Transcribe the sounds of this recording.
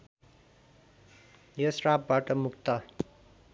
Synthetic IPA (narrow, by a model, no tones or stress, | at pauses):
jʌsrapbaʈʌmukt̪ʌ